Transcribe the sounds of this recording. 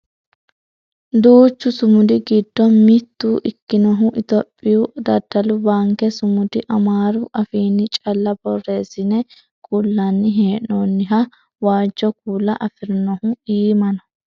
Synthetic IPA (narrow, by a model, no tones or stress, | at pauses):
d̪uːt͡ʃːʊsʊmʊd̪ɪɡɪd̪ːɔmɪt̪ːuːʔɪkːɪnɔɦʊʔɪt̪ɔpʼːɪjud̪ɐd̪ɐlʊbaːŋkɛsʊmʊd̪ɪʔɐmaːɾʊʔɐfiːnːɪt͡ʃʼɐlːɐbɔrːe̞ːsɪnɛ | kʼulːɐnːɪɦeːʔoːnːɪɦɐ | waːd͡ʒːɔkuːlːɐʔɐfɪɾnɔhʊiːmɐnɔ